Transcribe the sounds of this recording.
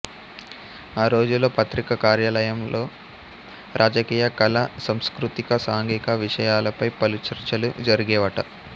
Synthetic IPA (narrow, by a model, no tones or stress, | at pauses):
aːɾo̞ːd͡ʒulo̞ːpɐt̪ɾikɐkaːɾjaːlɐjɐmlʔo̞ː | ɾʔaːd͡ʒɐkiːjɐkɐlɐsɐmskɾut̪ikɐsaːŋɡikɐʋiʂɐjaːlɐpɐjpɐlut͡ʃɐɾt͡ʃɐlṵd͡ʒɐɾiɡɛːʋɐʈɐ